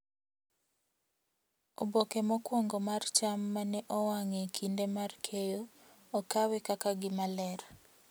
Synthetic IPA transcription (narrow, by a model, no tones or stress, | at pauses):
obokemɔkwɔŋɡomart͡ʃamːanɛʔɔwaŋekʰindemarkʰejoː | kawɛkakaɡɪmalɛɾ